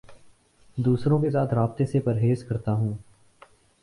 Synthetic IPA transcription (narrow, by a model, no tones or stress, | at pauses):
d̪uːsɾõkesaːt̪ʰɾaːb̚t̪esepɐɾɦeːskɐɾt̪aɦũː